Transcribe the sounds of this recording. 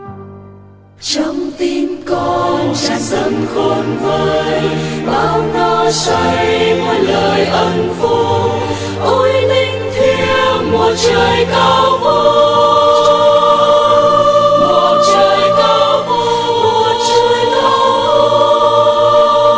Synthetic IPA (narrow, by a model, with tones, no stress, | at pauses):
t͡ɕɔ˧wŋ͡mt̪i˧mkɔ˧nt͡ɕa˧˩zə˧˩nkɔ˨˩nvəː˨˩jɓaː˧˩wnɔ˧sa˧jmɔ˨˩nləː˨˩jʔə˧nfu˧ | ʔu˧˥jlï˧ŋ̟t̪ʰi˧əwmo˨˩t̚t͡ɕəː˨˩jka˧˦wvu˧ | mo˨˩t̚t͡ɕəː˨jka˧wv | mo˨˩t̚t͡ɕə˧jla˧˦